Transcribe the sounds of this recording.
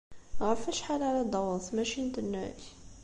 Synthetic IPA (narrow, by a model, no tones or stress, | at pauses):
ɣæfæʃħalʕalæd̪ˤɑwəˤθmæʃint̪ənːæç